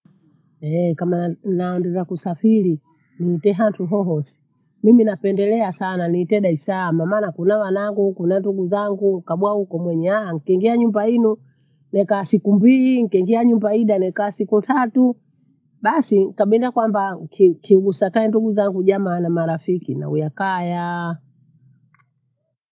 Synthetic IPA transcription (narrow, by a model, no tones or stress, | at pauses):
ɛkamananduzakusafili | niːtɛɦantʰuɦɔɦɔsi̥ | miminapɛndɛlɛasananiːtɛɗaisamamaːnakunawanaŋɡukunanduɡuzaŋɡukaɓwahukɔmwɛɲɛaaŋ̩kɛŋɡiaɲumbainu | nɛkaːsikumbiliŋ̩kɛŋɡiaɲumbaiɗanɛkaːsikutʰatu | ɓasiŋkaɓindakwambakkʰiɡusakaɛnduɡuzaŋɡuʄamanamaɾafikina̰ujakaja